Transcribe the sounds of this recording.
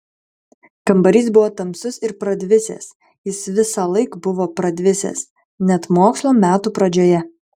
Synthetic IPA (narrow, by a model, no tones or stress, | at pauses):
kɐmbɐɾʲiːsbʊʋoːt̪ɐmsʊsɪɾpɾɐd̪ʲʋʲɪsʲḛːs | jɪsʋʲɪsɑlˠɐɪkbʊʋoːpɾɐd̪ʲʋʲɪsʲḛs | nʲɛt̪moːkslˠoːmʲæːt̪uːpɾɐd͡ʒʲoːjɛ